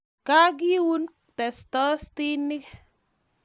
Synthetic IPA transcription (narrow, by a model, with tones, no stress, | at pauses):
kaː˦k̬i˦wu˦n | tɛ˨stɔ˦st̪i˦nːɪ˦kɛ̥